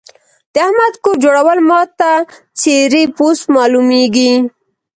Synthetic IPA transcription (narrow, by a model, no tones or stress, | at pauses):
d̪̥əahmad̪koɾd͡ʒoɽawəlmɑt̪a | t͡seɾiposmɑlumeɡi